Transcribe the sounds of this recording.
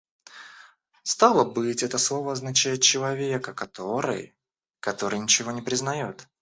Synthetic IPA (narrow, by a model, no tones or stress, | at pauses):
st̪alˠəbɨtʲɛt̪əslˠo̞vəɐznɐt͡ɕæjɪt̪̚t͡ɕɪlˠɐvʲe̞kəkɐt̪o̞ɾɨ̰j | kɐt̪o̞ɾɨjnʲɪt͡ɕɪvo̞nʲɪpɾʲɪznɐjot̪